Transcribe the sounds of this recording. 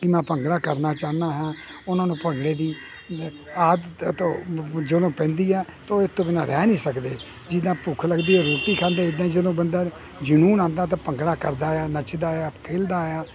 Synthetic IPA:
kɪmɛ̃ːpəŋɡɽaːkəɾnaːt͡ʃaːnaːɦɛː | ʊnãːnũːpəŋɡɽeːd̪iː | aːd̪t̪õːd͡ʒəd̪õːpɛ̃ːnd̪iːɛː | t̪õːɪt̪õːbɪnãːɾɛːnĩːsəkd̪eː | d͡ʒɪd̪ãːpukʰləɡd̪iːoːɾuːʈiːkʰãːnd̪eːɪd̪ãːid͡ʒəd̪õːbənd̪aː | d͡ʒənuːnãːnd̪aːt̪̬ãːpəŋɡɽaːkəɾd̪aːjaːnət͡ʃd̪aːjaːkʰeːld̪aːjaː

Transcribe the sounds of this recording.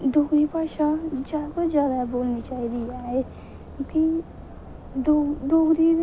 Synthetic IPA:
d̪oːɡɾiːpaːʃaːd͡ʒaːkod͡ʒjaːd̪aːboːlniːt͡ʃaːiːd̪iːaːɦeː | ki | od̪oːɡɾiː

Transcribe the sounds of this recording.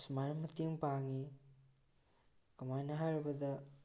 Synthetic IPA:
smaɾɐmɐteŋpaŋi | kɐmajnɐɦajɾɐbɐdɐ

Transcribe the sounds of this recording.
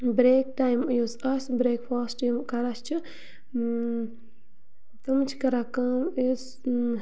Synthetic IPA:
bɾek̚ʈajmjusɐsbɾeːkfaːsʈimkɐɾast͡ʃʰi | t̪ɨmt͡ʃʰi̥kɐɾakɐmis

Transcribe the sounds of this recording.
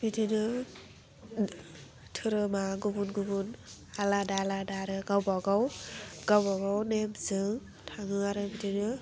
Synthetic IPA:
bitʰinɯ | tʰɯɾɯmaɡubunɡubun | aladaladaɾɯɡawbaɡawɡ̥awbaɡawnemzɯŋ | tʰaŋɯaɾɯbitʰinɯ

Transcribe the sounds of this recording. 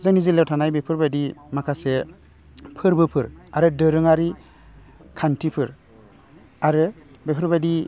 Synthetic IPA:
zanizilawtʰanajbepʰɯɾbadimakʰase | pʰɯɾbɯpʰɯɾaɾɯdɯɾɯŋaɾi | kʰantʰipʰɯɾ | aɾɯ | bepʰɯɾbadi

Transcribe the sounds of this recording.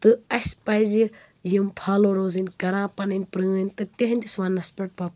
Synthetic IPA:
t̪ɨɐsʲpɐjzi | jimpʰaːloːɾoːzɨnʲkɐɾãːpɐnɨnʲpɾɨənʲt̪ɨt̪ʲeɦɐnʲt̪isʋaːnːɐspʲeʈ̚pʰak

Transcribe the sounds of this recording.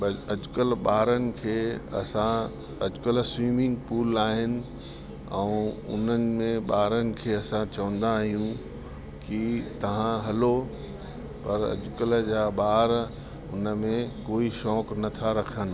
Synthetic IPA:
ɐɐd͡ʑʊkəlɓaːɾənɪ̆kʰeːɐ̰sã | ɐd͡ʑʊkəlswiːmɪ̃ŋɡpuːlaːɦɪnɪ̆ | ɛ̃ũʊ̰nənɪ̆mẽɓaːɾənɪ̆kʰeːɐsãt͡ɕɐʋə̃n̆d̪ãɦijũ | kit̪ɐʋ̤ãɦɐlo | pɐɾɐ̰d͡ʑʊkəld͡ʑaːɓaːɾ | ʊ̰nə̆mẽkoːiʃɔːknɐt̪ʰaɾɐkʰənɪ̆

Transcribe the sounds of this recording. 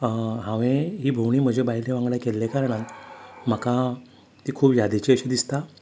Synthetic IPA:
ɦãʋẽɦiːbʱowɳiːm̤əd͡ʑʱebaɦileʋãŋɡlakelːekaɾəɽat̪m̤əka | t̪iːkʰuːpjad̪et͡ɕiəɕid̪ist̪a

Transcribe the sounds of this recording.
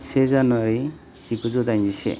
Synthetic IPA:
sezanwaɾi | sibuzɔd̪ajɲd͡ʒisḛ

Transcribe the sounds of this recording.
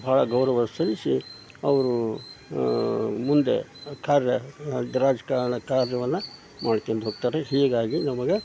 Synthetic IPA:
bʱaːɭɐɡɐwɾɐʋɐsɐɾisi | ɐʋɐɾu | mund̪ḛkaːɾjɐɾaːd͡ʒɐkaːɾɐɳɐkaːɾjɐʋɐnːɐ | maːɽik̪ond̪ɦoːɡt̪aːɾeɦiːɡaːɡinɐmɐɡe̞

